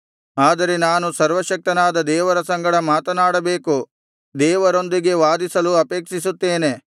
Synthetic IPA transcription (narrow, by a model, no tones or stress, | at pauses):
aːd̪ɐɾe̞naːnusɐɾʋɐʃɐk̚t̪ɐnaːd̪ɐd̪ɛːʋɐɾɐsɐŋɡɐɽɐmaːt̪ɐnaːɽɐbeːku | d̪ɛːʋɐɾo̞nd̪iɡe̞ʋaːd̪isɐluɐpeːkʂisut̪ːeːne̞